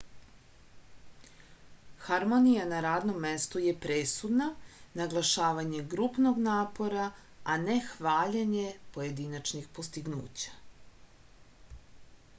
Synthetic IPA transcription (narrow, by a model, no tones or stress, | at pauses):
xaɾmo̞nijanaɾaːd̪no̞mːe̞st̪ujepɾesud̪nanaɡlˠaʃaːʋaɲe̞ɡɾupno̞ɡnaːpo̞ɾa | anexʋaːʎeɲepo̞je̞d̪inat͡ʃnixpo̞st̪iɡnṵːt͡ɕḁ